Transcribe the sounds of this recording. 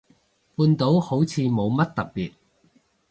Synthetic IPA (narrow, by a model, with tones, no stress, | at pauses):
puː˧nt̪o˨˥who˨˥wt͡sʰiː˨˧mo˨˧wmɐ˥t̚t̪ɐ˨k̚piː˨t̚